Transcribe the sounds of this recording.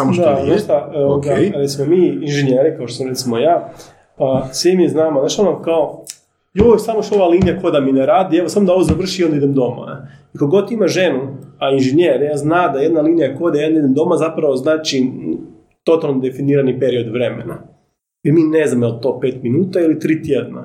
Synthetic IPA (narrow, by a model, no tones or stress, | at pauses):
samod̪ad̪ost̪aoooɡaɾet̪simomiːinʒeɲeɾikaot̪osmoɾet̪simo̞jaː | pasʋimiznaːmod̪aʃt̪onakao | josamoʃt̪oʋaliːnijako̞d̪amineɾaːd̪ieʋosamod̪ao̞ʋozaʋr̩ʃijelˠd̪id̪emd̪o̞ma̰ikoɡo̞t̪imaʒe̞nuainʒeɲeɾijaːznad̪ajed̪naliːnijako̞d̪ajaːnid̪emd̪o̞mazapɾaʋo̞znaːt͡ʃi | t̪o̞t̪alˠnod̪e̞finiːɾanipe̞ɾio̞d̪ʋɾe̞mḛna | ilmiːneznamjelˠt̪o̞ːpeːt̪minuːt̪ailit̪ɾiːt̪jed̪na̰